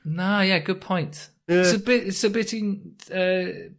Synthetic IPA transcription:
oʊjæɡ̥ʊd̚pʰɔ̃ɪ̃nt | ɪsəbɪtɪtsəbɪtɪ̃nʌ

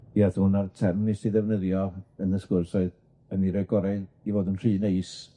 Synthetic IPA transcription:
iaθuːnartʰɛrmnɪsiðɛvnəðjɔənəskʊrsɔɨð | əniɾɔɨɡɔɾaɨ | ivoːdunr̥iːneɨs

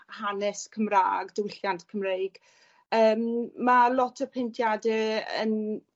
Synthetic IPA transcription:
hanɛskʰəmra̰ːɡdəwɪɬjantʰkʰəmrejɡ̥ | əːmːalˠɔtʰəpʰɛntʰjadɛə̰n

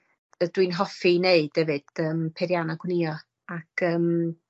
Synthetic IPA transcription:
əd̥wɨnɦɔfineɨd̥ɛvɨd̥əːmpʰɛɾjanaɡwniɔ | akʰəːm

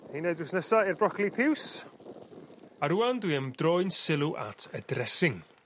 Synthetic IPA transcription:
hineɨdwɪsnəsairbrɔkʰlˠipʰɪws | aɾuːandwiəmd̥rojnsɪlˠuʔa̰tʰədrɛsɪŋ

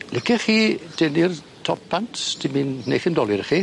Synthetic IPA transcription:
lɪkʰɛχiːd̥ɛnɪr | tʰɔp̚b̥ʰantʰtʰiminnḛjθɪmdɔlˠɪɾχi

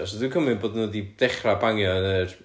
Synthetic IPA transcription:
ɔs̬ɔðɪkʰəmɨnboːdənodid̥ɛχrabaŋjɔnər

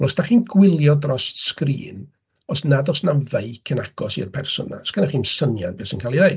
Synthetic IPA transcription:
lˠɔsd̥aχiːnɡwɪlˠjɔdrɔstskrḭːn | ɔsnadɔsnaveɨkʰənaɡ̥ɔsḭrpʰɛrsʊ̰nːa̰sɡ̥ənaχiːnsənjanbeːsinkʰaːlˠiðej

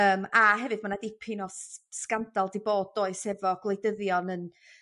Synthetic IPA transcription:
əːmaɦɛvɨðmanadɪpʰinɔsskandalˠdiboːdoːɨsɛvɔɡ̥lˠejdəðjɔnən

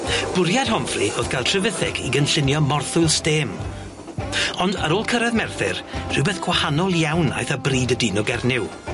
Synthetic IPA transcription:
b̥ʊɾjad̥hɔmfriʔoːðɡʰajlˠtʰrəvɪθɪkʰiɡənɬɪnjɔmɔrθʊjlˠsteːm | ɔndəɾoːlˠkʰəɾɛðmɛrθɪ̰rr̥ɨwbɛθɡ̥ʰwahanɔlˠjawna̰jθəbriːdədiːnɔɡɛrnɪw

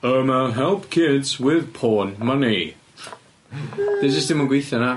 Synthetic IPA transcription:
əmaɦɛlˠpkʰɪdz̥wɪð̥pʰoːnməni | d̥ed͡ʒəsd̥ɪmənɡwɪjθjɔna

